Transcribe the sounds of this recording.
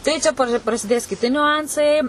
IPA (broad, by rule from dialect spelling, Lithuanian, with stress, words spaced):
ˈtɐɪ t͡ʃʲɛ pɐr prɐsʲɪˈdʲeːs kʲɪˈtʲɪ nʲʊˈɐnsɐɪ